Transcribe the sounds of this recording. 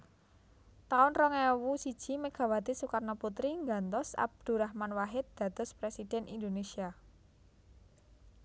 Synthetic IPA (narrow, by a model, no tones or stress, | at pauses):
t̪aʊnrɔŋɛwusid̥ʒ̥i̤meɡ̥a̤wad̪esukarnɔput̪ɾiŋɡant̪ɔsa̰b̚d̪̥ṳɾahmanwaɦɪt̪̚d̪̥ä̤t̪ʊspɾesid̪̥ɛ̤nʔind̪onesia